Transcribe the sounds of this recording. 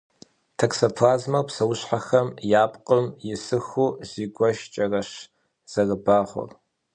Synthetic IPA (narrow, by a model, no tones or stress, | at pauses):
tʰɐksɐpʰaːzmɐwpsɐwɕħaxɐmjaːpʼqʼəmjɪsɨxuːziːɡʷɔʃt͡ʃʼɐrɐʃ | z̥ɐrɨbaːʁʷʊ̰r